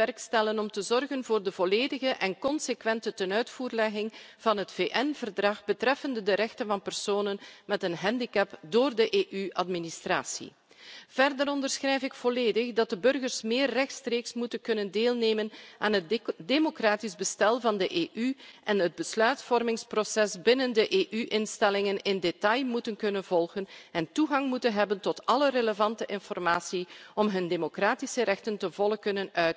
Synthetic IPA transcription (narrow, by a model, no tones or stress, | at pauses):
ɛrkstɛlənɔmtəzɔrɣənvoːrdəvɔleːdəɣəʔɛnkɔnsekʋɛntətənœɥtfuːrlɛɣɪŋv̥ɑnɦətfeːʔɛnvərdrɑxbətrɛfəndədəɾɛxtənvɑnpɛrsoːnənmɛtənɦɛndikɛpdoːrdəʔeːʔyʔɑdministraːsḭ | v̥ɛrdəɾɔndərsxrɛjfɪkfɔleːdəxdɑt̚dəbɵrɣərsmeːrːɛxtstreːksmutənkɵnəndeːlˠneːmənaːnɦətdemokraːtizbəstɛlˠvɑndəʔeːʔyʔɛnɦəd̚bəslœɥtfɔrmɪŋsprosɛsbɪnəndəʔeːʔyʔɪnstɛlɪŋənɪndetɑjmutənkɵnənvɔlˠɣənɛntuɣɑŋmutənɦɛbəntɔtɑləɾeləvɑntəʔɪnfɔrmaːsiɔmɦɵndemokraːtisəɾɛxtəntəvɔlˠəkɵnənœɥt